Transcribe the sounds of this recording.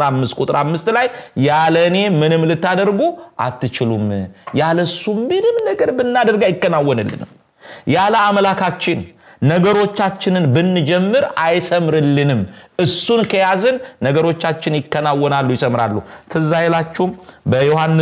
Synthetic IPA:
amːɨst̪̚kʼut̪ʼɨɾamːɨst̪lajjaləne̞mɨnɨmlɨt̪ːad̪əɾɡuʔa̰t̪ːɨt͡ʃɪlumjaləsumːɨnɨmnəɡəɾbɨnːad̪əɾɡajɪkːənawːɔnɨlːɨ̰nm | jaləamlakʰat͡ʃːɪnːəɡəɾo̞t͡ʃːat͡ʃːɪnɨnbɨnːɨd͡ʒɛmːɨɾajsəmɾɨlːɨnɨmʔɨsunkʰəjazɨnːəɡəɾo̞t͡ʃːat͡ʃːɪnjɪkːənawːɔnalːujɪsəmɾa̰lːut̪ʰɨzajelat͡ʃːɛmbəjohanːɨ

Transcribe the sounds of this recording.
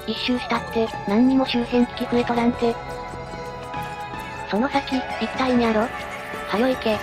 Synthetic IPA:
iɕːɨːɕi̥t̪at̪ːe̞nãɲ̟ːimo̞ɕɨːsẽ̞nt͡sɨ̥kʲikɯɾet̪onãnt̪e | so̞no̞sakʲiit̪ːaiɲ̟iaɾo | hajo̞ike̞

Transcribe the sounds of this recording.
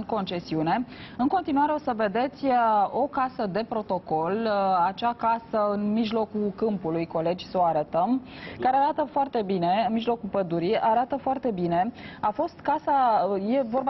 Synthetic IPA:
ko̞nt͡ʃe̞siune̞ɨnko̞nt̪inuaɾeo̞səve̞d̪e̞t̪sʲo̞kasəd̪e̞pɾo̞t̪o̞ko̞lat͡ʃakasəɨnmiʒlo̞kukɨmpulujko̞le̞d͡ʒʲsəoaɾət̪əmkaɾeaɾat̪əfoart̪e̞bine̞ɨnmiʒlo̞kulpəd̪uɾiaɾat̪əfoart̪e̞bine̞afo̞st̪kasaje̞vo̞rba

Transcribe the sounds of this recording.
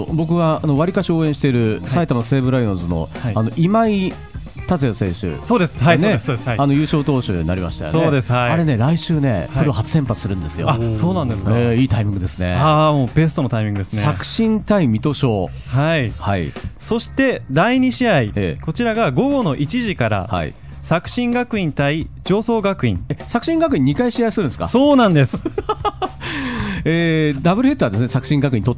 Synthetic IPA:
obo̞kɯ̟βaano̞βaɾʲikaɕio̞ːẽɕi̥t̪e̞ɾɯ̟sait̪amase̞ːbɯ̟ɾainozɨno̞̰aano̞ʔimai | t̪at͡sɨjasẽ̞ɰɕɨ̰soːd̪esɨ̥haneessano̞jɯ̟ːɕo̞ːt̪o̞ːɕɨ̰ːɲ̟ina̰ɾʲima̰ɕi̥t̪a̰jo̰soeːd̪e̞sɨ̥haaɾe̞ne̞ɾaiɕɨːne̞̰ɯɾoɦat͡sɨ̥sẽ̞mpat͡sɨ̥sɨɾɯ̟̃nd̪e̞sɨjoasoːnãnd̪eseiːt̪aimʲĩŋɡɯ̟d̪e̞sɨne̞̰amoːbe̞s̬ɨ̥t̪o̞not̪aimʲĩŋɡɯ̟d̪esnɕakɯ̟̥ɕĩnt̪aimʲit̪o̞ɕo̞ː | haihaḭso̞ɕi̥t̪e̞d̪aiɲ̟iɕiaiḛko̞t͡ɕiɾaɡaɡo̞ɡo̞no̞ʔit͡ɕiʑikaɾa̰ha̰ḭ | sakɯ̟̥ɕĩŋɡakɯ̟ĩnt̪ai | d͡ʑo̞ːso̞ːɡakɯ̟ḭ̃ŋesakɯ̟ɕĩŋɡakɯ̟ĩɲ̟ːikaiɕiaisɨɾɯ̟nesɨ̥ka̰so̞ːnãnd̪e̞sɨ̥ | eːd̪abɯ̟ɾɯ̟e̞t̪ːaːd̪e̞sɨne̞sakɯ̟̥ɕĩŋɡakɯ̟ĩɲit̪ot̪ː

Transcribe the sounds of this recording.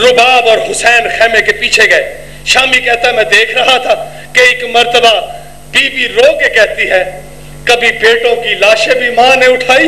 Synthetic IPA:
ɾʊbaːbɔːɾɦʊsɛːnxɛːmekepiːt͡ʃʰeɡɐeː | ʃaːmikɛɦt̪aɦɛmɛ̃ːd̪eːkʰɾɐɦat̪ʰaː | keɪkmɐɾt̪əba | biːbiɾoːkekɛːt̪iɦɛː | kɐbʱibeːʈõkilaːʃẽbʱimãːneʊʈʰaːiː

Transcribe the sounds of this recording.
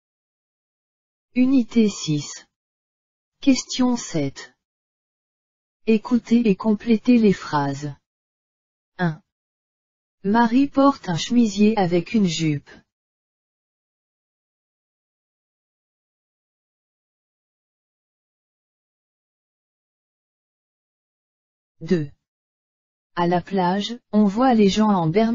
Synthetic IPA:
ynit̪esis | kʲɛst̪jɔ̃sɛt̪ | ekʰut̪eːkɔ̃plet̪elefχaz | ɛ̃ | maʁipɔʁt̪ɛ̃ʃmizjeavɛkʰynʒyp | d̪ø | alaplaʒɔ̃vwaleʒɑ̃ɑ̃bɛʁ

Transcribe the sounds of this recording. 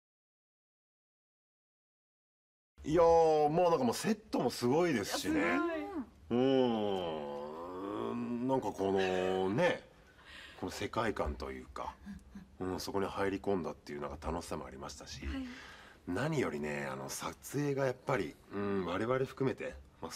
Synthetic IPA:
jamoːnãŋkamoːse̞t̪ːo̞mo̞sɨɡo̞id̪e̞sɨ̥ɕine | ɯ̟̃ | nãŋkako̞no̞ne̞ | ko̞no̞se̞kaikãnt̪o̞̰jɯ̟̰ːka̰ | ɯ̟̃ːso̞ko̞ɲ̟ihaiɾʲikõ̞nd̪at̪ːe̞jiɯ̟ːnã̰ŋkḁt̪ano̞ɕi̥samo̰a̰ɾʲimaɕi̥t̪aɕḭ | naɲ̟ijo̞ɾʲine̞̰a̰no̞̰sat͡sɨe̞ːɡajapːaɾʲḭɯ̟̃ːβaɾe̞βaɾeɸɯ̟̥kɯ̟me̞t̪e̞ma

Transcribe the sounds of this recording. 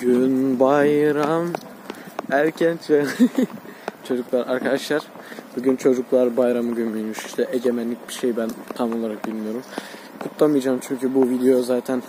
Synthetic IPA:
ɟ̥ynbajɾam | æɾcʰænt͡ʃ̪ʰvɛ | t͡ʃʰo̞d͡ʒuklˠaɾaɾkʰad̪aʃlˠaɾ̥ | b̥uɟynt͡ʃʰo̞d͡ʒuklˠaɾbajɾamɯɟynbynjyʃi̥ʃt̪ʰɛʔeɟe̞mænlːʲic̚biʃejbænt̪ʰamo̞lˠaɾak̚bilʲmijo̞ɾum | kʰut̪lˠamɯjad͡ʒaːmt͡ʃʰyɲcʰybuvid̪ejozaːt̪ʰæn

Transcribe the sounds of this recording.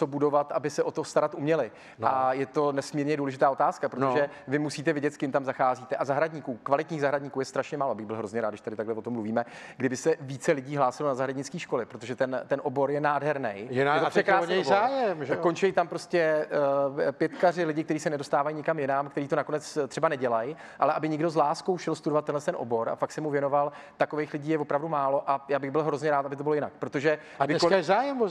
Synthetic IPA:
obudo̞vat̪ʔabɪsɛʔo̞t̪ost̪aɾat̪ʔumɲɛlɪ | ajɛt̪o̞nɛsmiːɾɲɛduːlɛʒɪt̪aːo̞t̪aːskapɾot̪oʒɛ | vɪmusiːt̪ɛvɪɟɛt̪skɪmt̪amzaxaːziːt̪ɛʔazaɦɾaɟɲikuːkvalɪt̪ɲiːɣzaɦɾadɲikuːjɛst̪ɾaʃɲɛmaːloʔabɪɣbɪlɦɾo̞zɲɛɾaːd̪dɪʃt̪adɪt̪aɡlɛvo̞t̪omːluviːmɛɡdɪbɪsɛviːt͡sɛlɪɟiːɦlaːsɪlonazaɦɾadɲɪt͡skiːʃko̞lɪpɾo̞t̪oʒɛt̪ɛnt̪ɛnʔo̞bo̞ɾjɛnaːdɦɛɾnɛjjaɛt̪ofɛkɾaːsoɛjzaːjɛmʒkont͡ʃɛjit̪ampɾo̞scɛ | pjɛt̪karɪlɪɟɪkt̪ɛɾiːsɛnɛdo̞st̪aːvajiɲɪkamjɪnamkt̪ɛɾiːt̪o̞nako̞nɛt͡st̪r̥ɛbanɛɟɛlaj | ʔalɛʔabɪɲɪɡdo̞zlaːskowʃɛlst̪udovat̪ːɛnlɛst̪ɛnʔobo̞ɾa̰fak̚tsɛmuvjɛno̞val | t̪ako̞vejxlɪɟiːjɛvo̞pɾavdumaːlo̞ʔajaːbɪɣbɪlɦɾo̞zɲɛɾaːt̪abɪt̪obɪloɪnakpɾo̞t̪o̞ʒɛ | ɪɛsazaːjɛm

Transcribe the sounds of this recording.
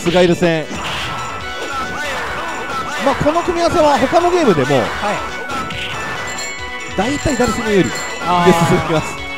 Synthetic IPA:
sɨɡaiɾɯsẽ | maːko̞no̞kɯ̟mʲiaaseβaɦo̞kano̞ɡʲe̞ːmɯ̟d̪e̞mo̞̰ | d̪̥ait̪aid̪aɾesɨnejoɾʲḭ | joisɾimasɨ̥

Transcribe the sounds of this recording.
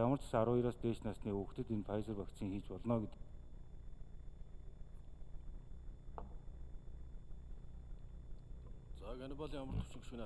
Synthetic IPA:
amə̆r̥t͡sḁ̆saɾʊːjiɾaːst̪eːt͡ɕnasniːɵxt̪ɘ̆t̪enfajsə̆rpakt̪sĭŋxiːt͡ɕpɔɮnɔːɡet̪ɘ̆k | t͡sakænʲɪ̆paɮjamə̆r̥t̪ʰɵ̥sɪ̆ŋɡʃɘ̆ni

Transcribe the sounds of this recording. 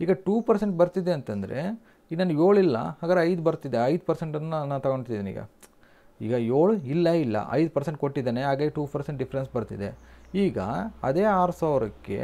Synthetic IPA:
iːɡɐʈuːpɐɾse̞ɳʈ̚bɐɾt̪id̪eɐnt̪ɐnd̪ɐɾe̞̰ | inaːnːjoːɭilːɐ̰ɦaːɡɐɾeɐjd̪ubɐɾt̪id̪eɐjd̪pɐɾse̞ɳʈɐnːunaːnt̪ɐɡo̞ɳɖʈt̪id̪iːnḭːɡɐ̰ | iːɡɐjo̞ːɭuilːɐilːɐ̰ʔɐ̰jd̪pɐɾse̞ɳʈ̚koʈːid̪aːneɦaːɡɐʈuːpɐɾseɳʈɖifɐɾensbɐɾt̪id̪e̞iːɡɐ̰ɐ̰d̪e̞ːaːɾusaːʋɾɐkːe̞̰

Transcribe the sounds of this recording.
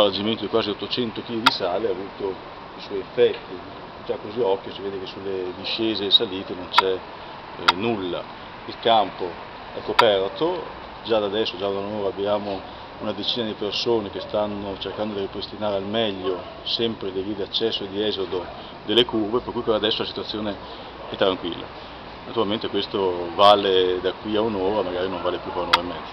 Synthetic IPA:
ald͡ʒiment̪od̪ikwaːziot̪ːot͡ʃɛnt̪ok̟ilid̪isaːleavuːt̪o | iswɔjefːɛt̪ːi | d͡ʒakːoziɔkːjosiveːd̪ekesːulːed̪iʃːeːzesaliːt̪enont͡ʃɛ | nulːa̰ | ilkampo | ɛkːopɛrt̪o | d͡ʒad̪ad̪ɛsːod͡ʒaanoːɾabːjaːmo | unad̪et͡ʃiːnad̪ipersoːnek̟est̪anːot͡ʃerkand̪od̪iripɾest̪inaːɾealmɛʎːo | sɛmpɾed̪ivid̪iat͡ʃːɛsːoed̪iɛzod̪o | d̪elːekurveperkːujpeɾad̪ɛsːolasit̪uat̪sːjoːne | ɛt̪ːɾaŋkwilːa̰ | nat̪uɾalment̪ekwest̪ovaːled̪akːwiaunoːɾamaɡaːɾinõɱvaːlepjufaɾunoːɾaimːɛ

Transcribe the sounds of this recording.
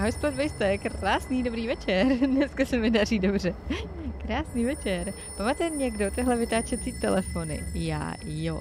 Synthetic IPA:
ɦojspod̪vɛjst̪ɛkraːsniːdo̞bɾiːvɛt͡ʃɛɾnɛskasɛmɪdar̝iːdo̞br̝ɛkɾaːsniːvɛt͡ʃɛɾ | pamat̪ɛɲɛɡdo̞t̪ɪɦlɛvɪt̪aːt͡ʃɛt͡siːt̪ɛlɛfonɪ̰ja̰ːjo̰

